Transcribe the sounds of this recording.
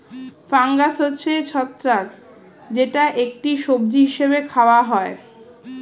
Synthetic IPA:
faŋɡasɦotːɕʰet͡ɕʰɔt̪ːɾak | d͡ʑeʈaʔek̚ʈiʃob̚d͡ʑiɦiʃeβekʰaoaɦɔe

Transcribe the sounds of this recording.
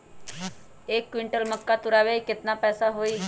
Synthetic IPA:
ekːʋiɳʈəlməkːat̪uɾaʋeiket̪napəjsaɦoi

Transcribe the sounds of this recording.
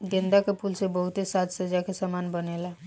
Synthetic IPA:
ɡẽnd̪akepulsebəɦut̪esat̪səd͡ʒakesəmanbənela

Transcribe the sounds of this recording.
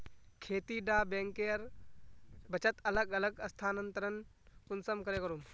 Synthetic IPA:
kʰeːt̪iɖaːbẽːŋkeɐɾ | bɐt͡ʃət̪ɐləɡɐləɡɐst̪ʰaːnə̃nt̪əɾən | ʊnsəmkɐɾeːkɐɾum

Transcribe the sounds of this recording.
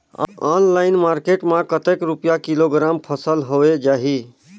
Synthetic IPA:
ɔnlaɪnmaɾkeʈmãkət̪ekɾupjakiloɡɾampʰəsəlɦoed͡ʒaɦi

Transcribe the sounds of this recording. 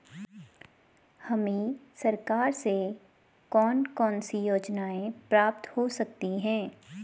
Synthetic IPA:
hɐmẽsɐɾkaːɾse | kɔːnkɔːnsijoːd͡ʒnaːẽpɾaːp̚t̪hosɐk̚t̪iɦɛ̃ː

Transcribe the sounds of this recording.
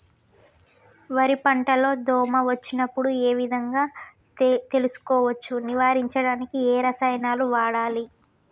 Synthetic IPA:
ʋɐɾipɐɳʈɐlo̞ːd̪ʱɔːmɐʋɐt͡ʃːinɐpːuɽueːʋid̪ʱɐŋɡaː | t̪e̞lusu̥kɔːʋɐt͡ʃːuniʋaːɾiɲt͡ʃɐɽaːnikieːɾɐsɐjnaːluʋaːɽaːli

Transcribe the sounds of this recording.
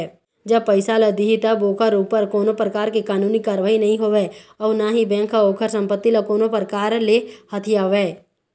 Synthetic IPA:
d͡ʒɐb̚pəɪsaːləd̪iɦit̪əboːkʰəɾuːpəɾkɔːnopɾəkaːɾkikaːnuːnikaːɾʋaːinɐɦĩɦoʋeɔːnaɦibɛ̃ŋkʰaoːkʰəɾsə̃mpət̪ːilakoːnõpɾəkaːɾlehɐt̪ʰɪjaːʋeː

